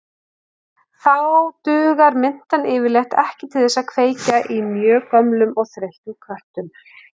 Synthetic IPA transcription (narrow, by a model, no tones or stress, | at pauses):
θawt̪ʏːɣaɾmɪn̥t̪anɪːvɪɾlɛxt̪ɛ̰hcɪt̪ʰɪlθɛsːaðkʰveːjcaʔimjœːkœmlʏmɔɣθɾejht̪ʏmkʰvœr̥t̪ʏm